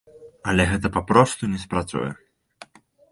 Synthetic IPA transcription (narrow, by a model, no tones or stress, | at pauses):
ɐlʲɛɣɛt̪ɐpapɾɔst̪unʲɛspɾat̪sṵjɛ̰